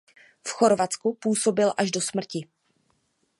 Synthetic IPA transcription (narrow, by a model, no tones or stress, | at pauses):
fxo̞ɾvat͡skupuːso̞bɪlʔaʒdo̞smr̩cɪ